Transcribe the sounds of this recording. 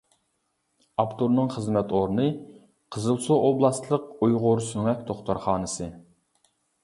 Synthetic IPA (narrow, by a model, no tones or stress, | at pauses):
ɑpt̪ʰuɾnɨŋχəzmɛt̪oɾnɨ | qʰəzɨlˠsuʔoblˠɑst̪lˠəqujʁʊɾsyŋɛkʲt̪ʰoχt̪oɾχɑːnɨsɨ